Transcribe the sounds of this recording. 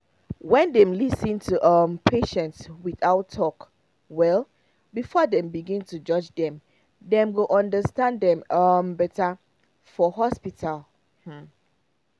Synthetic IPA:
wɛ̃ndɛ̃mlisĩntʰuʔʌmpʰeʃɛ̃ntswiθaʊtʰːɔk | wɛl | bifɔdɛ̃mbiɡĩntud͡ʒʌd͡ʒdɛ̃m | dɛ̃mwilʔɔ̃ndəstãndɛ̃mʌmbɛta | fɔɦɔspitʰal | h̩

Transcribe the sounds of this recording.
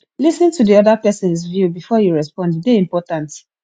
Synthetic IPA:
lisĩntudiɔdapɛsɔ̃nsvjubifɔjuɹɛspɔ̃ndideĩmpɔtãnt

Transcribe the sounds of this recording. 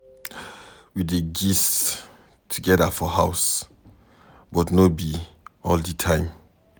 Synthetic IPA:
wideɡis | tʰuɡɛdafɔɦaʊs | bɔtnobi | ɔlditʰãɪ̃m

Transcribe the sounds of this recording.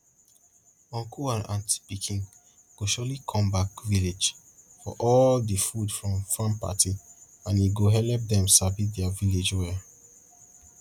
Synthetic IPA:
ɔ̃ŋkʰuãnʔãntspikʰĩŋ | ɡ̥oʃɔlikʰɔ̃mbakviled͡ʒ | fɔ̰ʔɔldəfudfɹɔ̃mfɹãmpa̰tʰi | ãniɡoɦɛlɛp̚dɛ̃msavidɛaviled͡ʒwɛ

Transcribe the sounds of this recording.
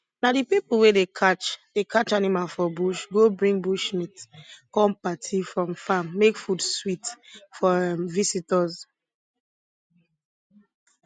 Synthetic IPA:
nadipipl̩wedekʰat͡ʃd̥ekʰat͡ʃanimalfɔbuʃɡobɹĩŋɡbuʃmitkɔ̃mpatʰifɹɔ̃mfamːekfudswitfɔɛmvisitɔz

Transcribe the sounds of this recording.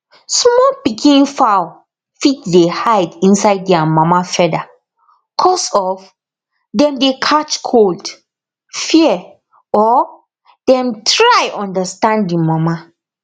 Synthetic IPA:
smɔlpikʰĩnfaw | fitdehaɪdĩnsaɪdːɛamamafɛda | kʰɔsɔf | dɛ̃mdekʰat͡ʃkʰold | fiɛ | ɔ | dɛ̃mtʰɹajʔɔ̃ndəstãnddimama

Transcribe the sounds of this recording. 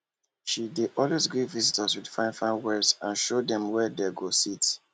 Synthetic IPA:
ʃideʔɔlwezɡɹivizitʰəswid̥fãɪ̃nfãnwɛsãnʃodɛ̃mwɛdɛɡosit

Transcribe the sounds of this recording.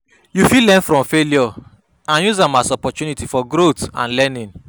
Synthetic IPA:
jufilɛ̃nfɾɔ̃mfeljɔ | ãnjuzãmasɔpɔt͡ʃunitifɔɡɾotã̰nlɛnĩn

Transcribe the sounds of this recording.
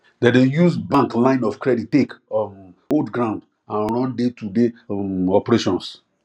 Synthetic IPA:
dɛdejuzbãŋklãɪ̃nɔfkɹɛdittek | odɡɾãw̃nd | ãnɹɔ̃ndetudeɔpɹeʃɔ̃ns

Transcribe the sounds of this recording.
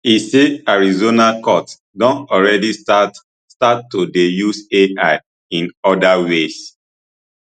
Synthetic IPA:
iseaɹizonakɔt | dɔ̃ntɔlɹɛdiat | statːodejuseaɪ | ĩnɔdawes

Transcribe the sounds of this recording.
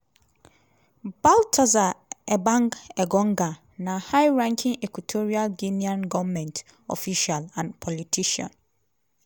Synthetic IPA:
b̥altʰɔzaɛbãŋɡɛɡɔ̃ŋɡa | nahaɪɹãŋkʰĩŋɛkwitʰoɹialɡiniɔ̃nɡɔvmɛ̃nt | ɔ̰fiʃalãnpʰɔlitʰiʃɔ̰̃n

